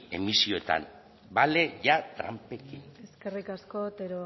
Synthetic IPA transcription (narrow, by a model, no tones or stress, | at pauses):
e̞̰misio̞et̪a̰n | bale̞ʝat̪ɾa̰mpe̞kine̞ske̞rikasko̞t̪eɾo